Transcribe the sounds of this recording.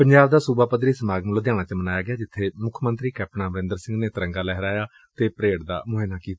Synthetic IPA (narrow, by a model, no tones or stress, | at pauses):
pəɲd͡ʒaːbd̪aːsubaːpəd̪ɾiːsəmaːɡmlod̪jaːɽ̃aːt͡ʃəmənaːjaːɡɪjaːd͡ʒɪt̪ʰːeːmʊkʰmənt̪ɾiːkɛːp̚ʈnãːməɾɪ̃nd̪əɾsɪ̃ŋɡneːt̪əɾəŋɡaːlɛːɦɾaːjaː | t̪eːpəɾeːɽd̪a̰ːmʊɦeːnaːkiːaː